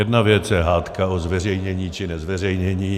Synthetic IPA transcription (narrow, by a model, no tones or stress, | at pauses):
jɛdnavjɛt͡sjɛɦaːt̪kaozvɛr̝ɛjɲɛɲiːt͡ʃɪnɛzvɛr̝ɛjɲɛɲiː